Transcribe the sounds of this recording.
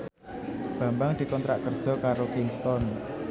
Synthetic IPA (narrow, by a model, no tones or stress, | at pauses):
b̥a̤mbaŋd̪̥i̤kɔnt̪ɾaʔkərd̥ʒ̥ɔ̤kaɾokɪŋst̪ɔn